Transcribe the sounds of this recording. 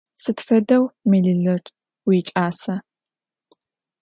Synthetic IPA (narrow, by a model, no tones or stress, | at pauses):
sɨtfɐdɐwmiɮɨɮɐrʼ | wiːt͡ʃʼaːsɐ